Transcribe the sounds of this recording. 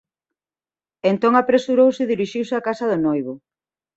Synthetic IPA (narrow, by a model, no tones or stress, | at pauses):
ent̪oŋapɾesuɾowsɪðiɾiʃiwsɪakasɐðʊnojβʊ